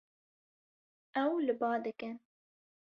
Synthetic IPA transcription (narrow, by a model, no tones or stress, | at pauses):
ʔɛwlɨbɑːd̪ɨkɨn